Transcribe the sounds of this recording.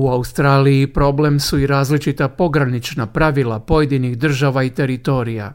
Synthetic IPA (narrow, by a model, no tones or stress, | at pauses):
uaust̪ɾaːlijipɾo̞ble̞msuiɾaːzlit͡ʃit̪apo̞ɡɾanit͡ʃnapɾaʋilˠapo̞je̞d̪iniɣd̪r̩ʒaʋait̪e̞ɾit̪o̞ɾija̰